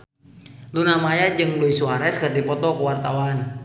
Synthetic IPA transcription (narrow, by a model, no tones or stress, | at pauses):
lunamajad͡ʒɨŋluisuaɾɛskɨrdipɔt̪ɔkuwart̪awan